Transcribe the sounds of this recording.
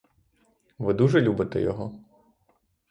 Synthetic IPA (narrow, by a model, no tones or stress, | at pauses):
ʋɪd̪uʒɛlʲubɪt̪ɛ̰jɔ̰ɦɔ